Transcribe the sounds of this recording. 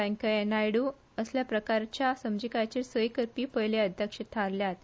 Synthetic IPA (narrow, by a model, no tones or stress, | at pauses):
ãŋkəenajɽu | əsljapɾəkaɾt͡ɕjasəmd͡ʑikajt͡ɕesəjkəɾpiːpəjleəd̪ʱjəkʂət̪ʰaɾljat̪